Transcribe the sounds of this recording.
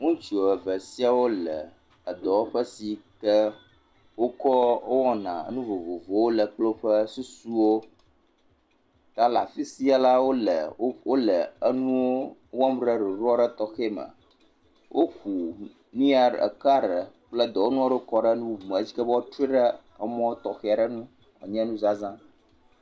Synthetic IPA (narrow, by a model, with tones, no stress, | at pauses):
ŋũ˦t͡ʃo˨ə˨və˨si˦a˦wo˦lə̰˨ | ə˨d̪ɔ˨wo˦ɸə˦si˨kə˦ | wo˦kɔ˦o˦wɔ̃˦nã̰˨ə̰˦nũ˦vo˨vo˨vo˨˦wo˦lə˨k͡plo˦ɸə˦su˦su˦wo˦ | t̪a˦la̰˨fi˦si˦a˨la˦wo˦lə˨˦wo˦lə˨ə˦nũ˦wo˦wɔ̃˦m˦ɖə˦ɖi˨ɾɔ˦ɖə˦t̪ɔ˦xe˦mə̰̃˨ | wʔo˦ku˨ | nĩ˦a˨ɖə̰˨ka˦ɖə˨k͡plə˦d̪ɔ˨wo˦nũ˦a˦ɖo˦kɔ˦ɖə˦nũ˦vu˨mɛ̃˨˦d͡ʑi˦kə˦bə˦wo˦t̪ɾu˦i˦ɖə˦ | ə˦mɔ̃˦t̪ɔ˨xe˦a˨ɖə˦nũ˦ | ɔ̰˨ɲɛ̃˦nũ˦za˦zã˦